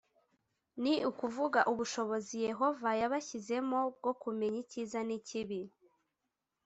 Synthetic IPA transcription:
niukuvuɡaʔuβuʃo̞βo̞zije̞ɦo̞vajaβaçize̞mo̞b̚ɡo̞kume̞ɲiciːzaniciβi

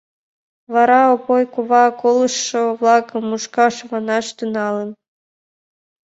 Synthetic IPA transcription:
βɑɾɑopojkuβɑkolˠə̆ʃːŏvlˠɑkɤ̆mːuʃkɑʃβɑnɑʃt̪unɑlən

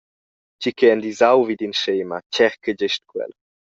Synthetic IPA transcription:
cikʰeand̪izawvid̪inʃɛːmat͡ʃɛɾkəd͡ʑɛʃtkwɛ̰l

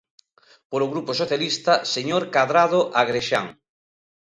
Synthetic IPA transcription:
poɾoɣɾuposoθjalist̪ɐseɲoɾkaðɾaðoʔaɣɾeʃaŋ

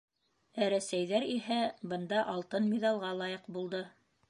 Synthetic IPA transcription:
æɾæsæjðæɾiɦæbɤ̆nd̪ɑʔɑlˠt̪ɤnmʲiðɑlˠʁɑlˠɑjɤqbulˠd̪ɤ

